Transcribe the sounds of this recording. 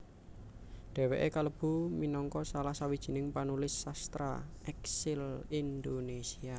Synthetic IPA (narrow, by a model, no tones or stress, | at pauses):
ɖ̥ɛ̤weʔekaləb̥ṳminɔŋkɔsalahsawid̥ʒ̥i̤nɪŋpanulɪsːast̪ɾa̰ | ɛksɪlind̪onesia